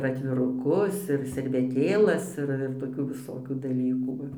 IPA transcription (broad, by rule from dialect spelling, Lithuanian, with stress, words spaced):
ɪr ɐtʲʋʲɪrʊˈkʊs ɪr sʲɛrʲʋʲɛˈtʲeːlˠɐs ˈɪr ɪr toːˈkʲuː ʋʲɪˈsoːkʲuː dɐˈlʲiːkuː ˈʋɐ